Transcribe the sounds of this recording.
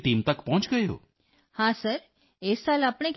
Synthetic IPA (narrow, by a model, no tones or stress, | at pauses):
t̪imt̪əkpɔ̃t͡ʃɡəjo̰ | hãsəɾ | esalapɳ̃ek